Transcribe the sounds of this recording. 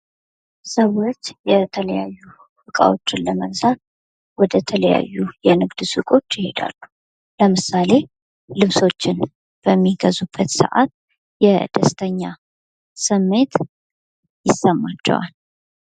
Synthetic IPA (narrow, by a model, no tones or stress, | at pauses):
səwot͡ʃjɛt̪ʰələjajːu | bɨkʼa̰wo̞t͡ʃːɪnləməɡzan | wɔd̪ət̪ʰələja̰jːujɛnɨɡd̪sɨkʼo̞t͡ʃːjɪhe̞d̪a̰lːu | ləmɨsale̞ | lɨβso̞t͡ʃːɪn | b̥əmːiɡəzub̥ːət̪sə̰ʔat̪̚ | jɛd̪̥əst̪ʰəɲːa | sɨmːe̞t̪ | jɪsːəmːat͡ʃːɛ̰wa̰l